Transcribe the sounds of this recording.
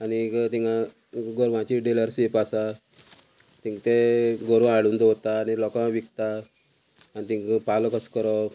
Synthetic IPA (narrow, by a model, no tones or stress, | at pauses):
anit̪ĩŋɡa | ɡɔɾʋãt͡ɕiɖeləɾsepasa | t̪ĩkt̪eɡoɾʋaaɽuːnd̪ɔt̪aːnilɔkãʋikt̪aː | nit̪ĩkpalɔkʰəskəɾɔ